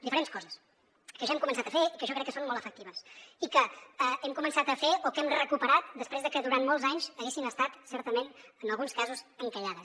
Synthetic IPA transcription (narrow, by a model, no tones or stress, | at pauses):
d̪ifəɾenskɔzəs | kəʒaɛmkumənsat̪əfeikəʒɔkɾɛkːəsonmɔlˠt̪əfək̚t̪iβ̞əsikəəɛmkumənsat̪əfeʔokɛmrəkupəɾat̪̚d̪əspɾezðəkəðuɾant̪mɔlˠzaɲzəɣesinəst̪at̪sɛɾt̪əmenənəlˠɣunskazuzəŋkəʎaðə